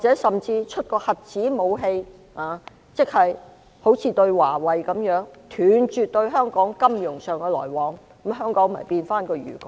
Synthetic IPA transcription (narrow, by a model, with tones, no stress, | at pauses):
aː˨t͡sɛː˨˥sɐ˨mt͡siː˧t͡ʃʰɵ˥t̚kɔː˧hɐ˨p̚t͡siː˨˥mo˨˧wɦe˧j | aː˨ | t͡sɪ˥k̚hɐ˨j | ho˨˥wt͡sʰiː˨˧t̪ɵ˧ɥwaː˨˩wɐ˨jkɐ˨˥mjœː˨˥ŋt̪ʰyː˨nt͡ʃyː˨t̚t̪ɵ˧ɥɦœː˥ŋkɔː˨˥ŋkɐ˥mjʊ˨˩ŋsœː˨ŋkɛ˧lɔ̰ː˨˩jwɔː˨˥ŋ˨˥ | ɦœː˥ŋkɔː˨˥ŋm̩˨ɐ̰˨˩jpiː˧nfaː˥nkɔː˧jy̰ː˨˩kʊ˨